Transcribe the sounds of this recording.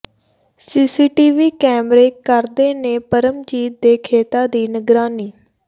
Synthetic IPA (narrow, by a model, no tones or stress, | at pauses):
siːsiːʈiːʋiːkɛːmɾeːkəɾd̪eːneːpəɾəmd͡ʒiːt̪̚d̪eːkʰeːt̪aːd̪iːnəɡɾaːniː